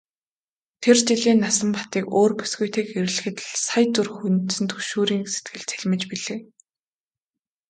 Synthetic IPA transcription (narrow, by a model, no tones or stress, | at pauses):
t̪ʰert͡ɕiɮiːnːasə̆mpḁt̪iːkoːrpu̥sɡujt̪ʰeːkeɾɘ̆ɮɘ̆xɘ̆t̪ɮsajt͡surxunt̪sɘ̆nt̪ʰɵʃuːɾiːŋse̥t̪ɡɘ̆ɮt͡sʰeɮʲmɘ̆t͡ɕpiɮeː